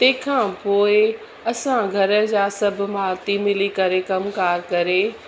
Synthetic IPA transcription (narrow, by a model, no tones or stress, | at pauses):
t̪ẽːkʰãːpoːɪ | ɐsãɡʱɐɾə̆d͡ʑaːsɐb̆ʱmaːɾt̪imɪlikɐɾekɐmkaːɾkɐɾe